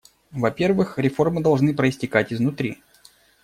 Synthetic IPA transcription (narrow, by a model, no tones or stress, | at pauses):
vɐpʲe̞rvɨxɾʲɪfo̞rmɨd̪ɐlˠʐnɨpɾəɪsʲtʲɪkatʲɪznʊt̪ɾʲḭ